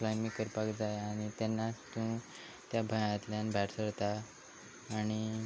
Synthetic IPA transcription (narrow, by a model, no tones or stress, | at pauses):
flajmikəɾpakd͡zajaɽ̃it̪ɛnːast̪ũ | t̪jabʱəjãt̪ljãnbʱɛʈsəɾt̪aː | ɽ̃i